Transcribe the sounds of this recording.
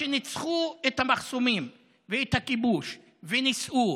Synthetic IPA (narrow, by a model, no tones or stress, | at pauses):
enit͡sχuet̪hamaχsomim | veet̪hakibuʃ | venisʔu